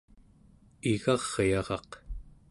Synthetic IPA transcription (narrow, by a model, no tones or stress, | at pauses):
iɣɑʁjɑʁɑq